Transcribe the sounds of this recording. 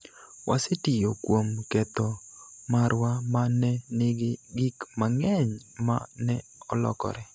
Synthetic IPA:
wʔasɪtɪjokwomkɛt̪ɔmaɾwamanɛnɪɡɪɡɪkmaŋɛɲ | manɛɔlɔ̰kɔ̰ɾɛ

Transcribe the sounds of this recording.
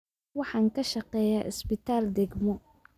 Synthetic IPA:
wɑħɑːŋkʰɐʃɐqɛːjaːʔɪsbɪt̪ʰaːld̪ɛɡmɔ

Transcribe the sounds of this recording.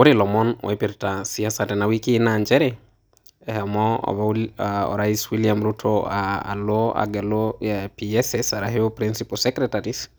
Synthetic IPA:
oɾilɔmɔnwɛpiɾtasiasatɛnawikinaɲd͡ʒɛɾɛ | ɛhɛmɔɔ̰βaɔ̰ɾaiswiliamɾutʰɔa̰ːlɔa̰ɡɛlojapiɛsɛsaɾaɦeopɾinsipɔsɛkɾɛtaɾis

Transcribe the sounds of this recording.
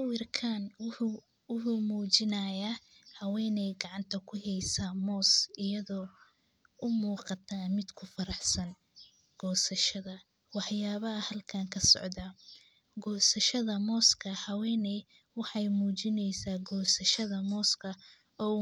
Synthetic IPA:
ʊwɪrkʰaːnwʊ | wʊħuːmuːt͡ʃɪnɐjaːhɐwɛːnɛjɡɑʕɑnt̪ʰɐkʰʊɦɛjsamɔːsɪjɐðɔː | ʊmuːqɑt̪ʰaːmɪd̪kʰʊfɐɾɑħsɐn | ɡ̥ɔːsɐʃɐðɐ | wɑħjaːβɐɐhɐlkʰaːŋkʰɐsɔ̰ʕd̪aː | ɡɔːsɐʃɐðɐmɔːskʰɐhɐwɛːnɛ | wɑħɑjmuːt͡ʃɪnɛjsaːɡɔːsɐʃɐðɐmɔːskʰɐ | ɔː

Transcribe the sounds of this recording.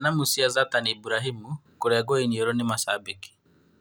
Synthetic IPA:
namusiazataniibuɾaɦimukoɾɛɡwɔiɲioɾɔnɪmasabiki̥

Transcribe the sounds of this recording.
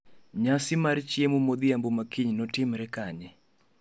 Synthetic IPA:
ɲasɪmaɾt͡ʃjemumod̪ɪambomakiɲnɔtɪmɾɛkaɲɛ

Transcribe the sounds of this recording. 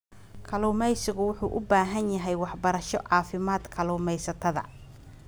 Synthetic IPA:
kʰɐluːmɛjsɪɣʊwʊħuːʔʊbaːɦɐnjɐɦɛjwɑħbɐɾɐʃɔʕɑːfɪmaːd̪kʰɐluːmɛjsɐt̪ʰɐðɐ̰

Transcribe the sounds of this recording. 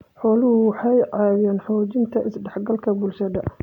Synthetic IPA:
ħɔːlʊhʊwɑħɑjʕɑjjaːnħɔːt͡ʃɪnt̪ʰɐʔɪsɖɛħɡɐlkʰɐbʊlʃɐðɐ

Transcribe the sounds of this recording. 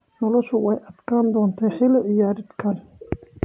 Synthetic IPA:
nɔlɔʃʊwɛjʔɐd̪kʰaːnd̪ɔːnt̪ʰɐħɪlɪɪjaːɾɪd̪kʰɐl

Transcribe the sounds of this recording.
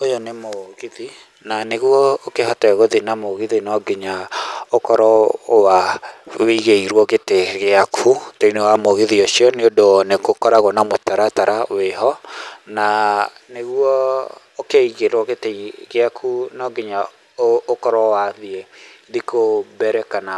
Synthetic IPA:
ojɔnemoɣiði | naneɣwɔokeɦɔtɛɣoðinamoɣiðinɔɡeɲaokɔɾɔwawiɣeiɾwɔɣeteɣeakʰutoinewamoɣiðiosiɔneodonekokɔɾaɣonamotaɾataɾʔaweɦɔnaneɣwɔ | okeiɣeɾwɔɣeteɣeakʰunɔɡeɲa | ookɔɾɔwaðieðikobɛɾɛkana

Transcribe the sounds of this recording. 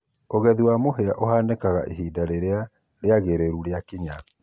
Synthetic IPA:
oɣɛðiwamoɦeaʔoɦaːnekaɣa̰ʔeɦiːdaɾeɾea | ɾeaɣeɾeɾuɾeakiɲa

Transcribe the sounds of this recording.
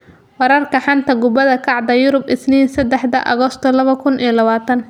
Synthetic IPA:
wɑɾɐrkʰɐħɑnt̪ʰɐɡʊbɐðɐkʰɑʕd̪ɐjʊɾʊbʔɪsniːnsɐd̪ɛħd̪ɐ̰ʔɐ̰ɣɔst̪ʰɔlɐβɐkʰʊnʔijɐlɐβaːt̪ʰɐn

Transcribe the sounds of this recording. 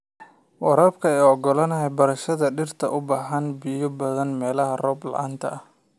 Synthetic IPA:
wɔɾɐːbkʰɐɛjɔɡɔlɐnɐɦɛbɐɾɐʃɐðɐɖɪrt̪ʰɐʔʊbaːħɐnbɪjɔbɐðɐnmɛːlɐɦɐrɔːblɑ̰ʕa̰ːnt̪ʰɐ̰ɐh

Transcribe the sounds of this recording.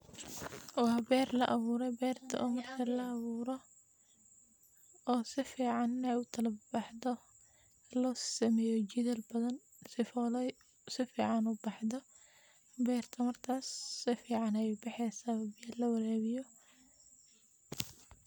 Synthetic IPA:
wɑbɛːrlɐʔɐβuːɾɛbɛːrt̪ʰɐ̰ʔɔːmɐrt̪ʰɐlɐːβuːɾɔ | ɔːsɪfiːʕɑnːɛjʊt̪ʰɐlɐbɑħdɔ | lɔːsɐmɛjɔt͡ʃɪðɛlbɐðɐn | sɪfɔlɛ | sɪfḭːʕɑnʊbɑħðɔ | bɛːrt̪ʰɐmɐrk̪ʰaːsːɪfiːʕɑnɛjbɑħɛsabɐlɐwɐɾɛːβɪjɔ

